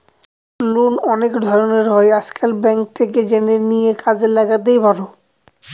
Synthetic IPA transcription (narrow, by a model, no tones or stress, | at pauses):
lunɔnekd̪ʱɔɾoneɾɦɔeaskelbɛŋk̚t̪ʰeked͡ʑeneɾnijekad͡ʑelaɡat̪̬ejbʱaɾo